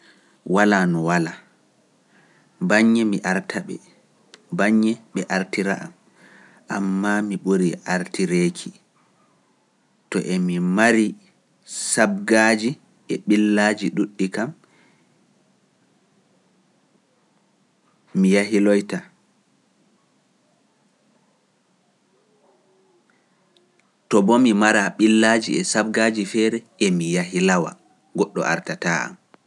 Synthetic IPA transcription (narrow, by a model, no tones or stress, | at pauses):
walanɔwala | baɲːɛmiʔaɾtʰaɓɛ̰ | baɲːɛɓɛʔaɾtiɾa̰ʔa̰m | ʔamːamiɓoɾiʔaɾtiɾeːkʰi | tɔ̰ʔemimaɾi | sab̚ɡad͡ʒi | ʔɛɓilːad͡ʒiɗuɗːikam | ijaɦilɔjta | tɔbɔmimaɾaɓilːad͡ʒiɛsab̚ɡaːd͡ʒifɛɾɛ | emijaɦilawa̰ | ɡɔɗːɔ̰ʔa̰ɾtataa̰m